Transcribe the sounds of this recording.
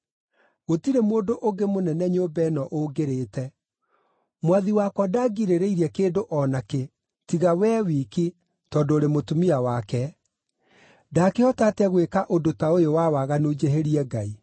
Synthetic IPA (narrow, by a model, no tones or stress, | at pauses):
ɣotiɾemoːndoʔoɡemonɛnɛɲobɛnɔʔoɡeɾeːtɛ | mwaðiwakwadaɡiɾeɾeiɾiɛkeːdoʔɔnake | tiɣawɛːwiːki | tɔːdoːɾemotumiawakɛ | daːkeɔtatɛɣwekaʔodotaojowawaɣanod͡ʒeɦeɾiɛɡai